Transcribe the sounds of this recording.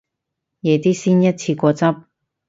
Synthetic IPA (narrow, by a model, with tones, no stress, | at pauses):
jɛː˨˧t̪iː˥siː˥njɐ˥t̚t͡ɕʰiː˧kʷɔː˧t͡sɐ˥p̚